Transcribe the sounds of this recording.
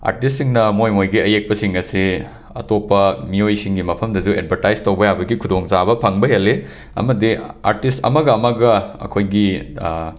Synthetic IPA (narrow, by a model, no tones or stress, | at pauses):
a̰ɾtistːiŋnɐmojmojɡiɐjek̚pɐsiŋɐsi | ɐ̰topːɐmiojsiŋɡimɐpʰɐmdɐzued̚bʱɐɾtajztɐwbɐjabɐɡikʰudoŋzabɐpʰɐŋbɐɦelːe | ɐ̰mɐdia̰ɾtistɐ̰mɐɡɐːmɐɡɐɐ̰kʰojɡi